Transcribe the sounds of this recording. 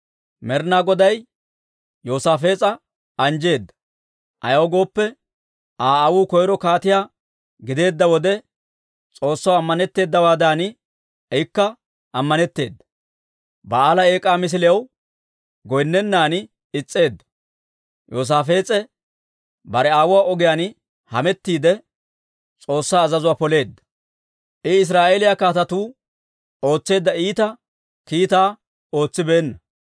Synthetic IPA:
mɛɾnaːɡɔd̪ɐj | joːsaːfe̞ːt͡sʼɐ | ɐnd͡ʒe̞ːd̪ːɐ̥ | ʔɐ̰jɐwɡo̞ːpːɛ | aːɐwuːkɔjɾɔkaːt̪ɪjaː | ɡɪd̪e̞ːd̪ːɐwɔd̪ɛ | t͡sʼo̞ːsːɐwɐmːɐnɛt̪ːe̞ːd̪ːɐwaːd̪aːnɪ | ɛjɪkːɐ | ɐmːɐnɛt̪ːe̞ːd̪ːɐ̥ | bɐaːlɐe̞ːkʼːaːmɪs̬ɪlɛɐw | ɡɔjnːɛnːaːnɪ | ɪt͡sʼːe̞ːd̪ːɐ̥ | joːs̬aːfe̞ːt͡sʼɛ | bɐɾɛaːwʊwaːɔɡɪjaːn | hɐ̰mɛt̪ːiːd̪ɛ | t͡sʼo̞ːsːaːzɐzʊwaːpɔle̞ːd̪ːɐ̥ | ʔɪɪs̬ɾaːʔeːlɪjakaːt̪ɐt̪uː | o̞ːt͡sːe̞ːd̪ːɐiːt̪ɐ | kiːt̪aː | o̞ːt͡sːɪbeːnːɐ

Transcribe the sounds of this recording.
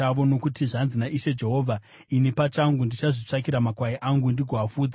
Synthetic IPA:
aʋo̞no̞kutiʐanzinaʔiʃe̞d͡ʒe̞ɦo̞ːvʱa | inepat͡ʃaŋɡundit͡ʃaʐit͡ʂakiɾamakwaiʔaŋɡundiɡʱoafuːd͡za

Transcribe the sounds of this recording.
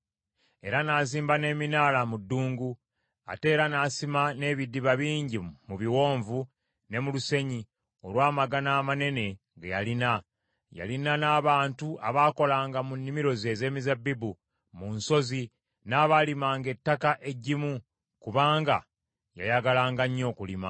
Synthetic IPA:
e̞̰ɾanaziːmbane̞ːminaːlamudːuːŋɡu | a̰te̞ːɾanaːsimane̞ːβidːiβaβiːɲɟimuβiwo̞ːɱvu | ne̞muluse̞ɲi | o̞lwaːmaɡanaːmane̞ne̞ | ɡa̰ja̰lina | ja̰linanaːβaːntuʔa̰βaːko̞laːŋɡamunːimiɾo̞ze̞ze̞ːmizabibu | munso̞zi | naːβalimaːŋɡe̞tːakaʔe̞ɟːimu | kuβaːŋɡa̰ | ja̰jaɡalaːŋɡaɲːo̞ːkulima

